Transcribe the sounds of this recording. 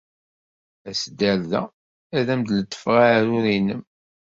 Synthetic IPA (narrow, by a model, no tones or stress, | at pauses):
æsd̪ːælðæ̰ | æðæmd̪lət̪ːə̥fʁaɾʊɾinəm